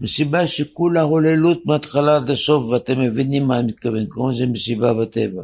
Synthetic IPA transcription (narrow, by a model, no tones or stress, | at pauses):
mesibaʃekulaholelut̪̚beat̪χalad̪asofveat̪emːevinimːamit̪̚kavemkomazemesibabat̪eva